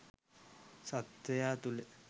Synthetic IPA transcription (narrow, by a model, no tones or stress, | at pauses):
sat̪ʋejaːt̪ule